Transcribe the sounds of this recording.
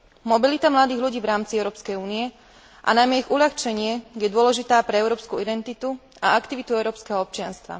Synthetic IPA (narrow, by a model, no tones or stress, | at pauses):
mɔbilit̪amlad̪iːɣʎuɟiːʋɾaːmt͡siɛʊɾɔːpskɛjuːniɛ | ʔa̰najmɛiɣuʎaxt͡ʃɛɲɪɛɡjɛd̪ʊɔlɛʒit̪aːpɾɛɛʊɾɔːpskuid̪ɛnt̪it̪u | aakt̪iʋit̪uɛʊɾɔːpskɛɦɔɔp̚t͡ʃɪanst̪ʋa̰